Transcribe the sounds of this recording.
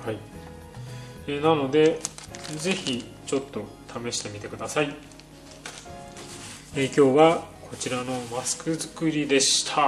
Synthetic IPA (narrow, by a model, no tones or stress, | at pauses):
hai | eːnano̞d̪e̞ | ze̞çi | t͡ɕo̞t̪ːo̞ | t̪ʰame̞ɕi̥t̪e̞mʲit̪e̞kɯ̟d̪asai | eːkʲo̞ːβakʰo̞t͡ɕiɾano̞masɨ̥kɯ̟zɨkɯ̟ɾʲid̪e̞ɕi̥t̪ʰa